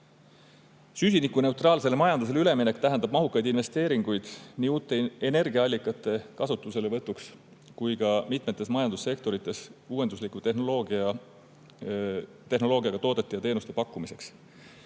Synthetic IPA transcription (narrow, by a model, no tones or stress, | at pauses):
sys̬ʲinikːˑune̞wt̪rɑːlse̞lemɑjɑnd̪us̬e̞lyle̞mine̞kt̪æɦend̪ɑb̥̚mɑɦukːɑjd̪inve̞st̪e̞ːɾiŋɡ̥ujd̪̥niːuːt̪ːˑe̞ene̞rɡiɑɑlʲːikːˑɑt̪ːˑe̞kɑsut̪ːˑuse̞levɤt̪ːˑuks | kujkɑmit̪ˑme̞t̪ːˑe̞smɑjɑnd̪̥usːe̞kt̪o̞ɾit̪ːˑe̞suːe̞nd̪uslikut̪enoloɡɑ | t̪e̞ɦno̞lo̞ːɡiɑɡ̥ɑt̪o̞ːd̪et̪ːejɑt̪eːnust̪e̞pɑkːumise̞ks